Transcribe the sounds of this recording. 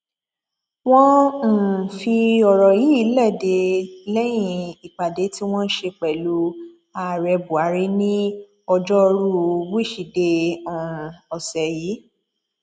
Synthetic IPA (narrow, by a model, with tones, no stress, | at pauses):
w̃ɔ̃˦n̩˨fi˧ɔ˨ɾɔ˨ji˨˦i˨˦lɛ˦˨de˨˦lɛ˦j̃ĩ˦˧˨i˨k͡pa˨de˨˦ti˦w̃ɔ̃˦n̩˦ʃe˧k͡pɛ˨lu˨˦ | a˨ɾɛ˧bu˨a˨˦ɾe˦nĩ˦ | ɔ˧d͡ʒɔ˦˧ɾu˦˧wu˦i˦˨ʃi˨de˧ɔ̃˨ɔ˨sɛ˨ji˨˦